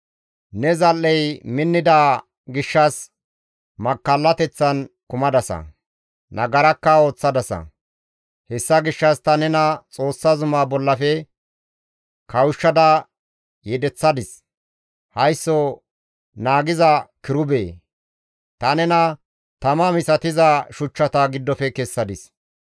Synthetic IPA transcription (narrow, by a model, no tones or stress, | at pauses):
nɛzɐlːɛjmɪnːɪd̪aː | ɡɪʃːɐs | mɐkːɐlːɐt̪ɛt͡sːɐnkʊmɐd̪ɐsɐ̰ | nɐ̰ɡɐɾɐkːɐo̞ːt͡sːɐd̪ɐsɐ̰ | hɛsːɐɡɪʃːɐst̪ɐnɛnɐt͡sʼo̞ːsːɐzʊmaːbɔlːɐfɛ | kɐwʊʃːɐd̪ɐ | jɛd̪ɛt͡sːɐd̪ɪs | hɐjsːɔ | naːɡɪzɐkɪɾʊbeː | t̪ɐnɛnɐ | t̪ɐmɐmɪsɐt̪ɪzɐʃʊt͡ʃːɐt̪ɐɡɪd̪ːɔfɛkɛsːɐd̪ɪs